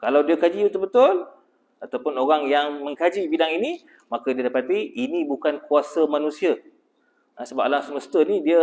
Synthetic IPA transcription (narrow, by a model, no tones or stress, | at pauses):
kalawdiakad͡ʒiut̪ʊk̚bət̪ʊl | at̪awpʊnoɾaŋjaŋmə̃ŋkad͡ʒibidaŋini | makadiadapat̪iinĩbukankuasamanũsia | əsəbap̚ʔlaŋsəməst̪ənidiə